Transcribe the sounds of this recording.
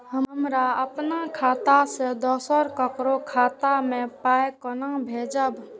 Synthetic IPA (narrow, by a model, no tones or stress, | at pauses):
ɦəmmɾaəpnakʰaːt̪ased̪ɔsəɾkəkɾokʰaːt̪amẽpaekɔnãbʱed͡ʒəb